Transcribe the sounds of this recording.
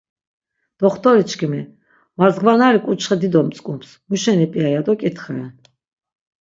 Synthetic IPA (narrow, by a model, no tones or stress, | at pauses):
d̪̥ɔχt̪ʰʼɔɾit͡ʃʰkʰimɛ | mazɡvanaɾikʼut͡ʃʰχɛd̪id̪ɔmt͡s̪ʼkʼumps | muʃɛnipʼiajad̪ɔkʼit̪ʰχaɛn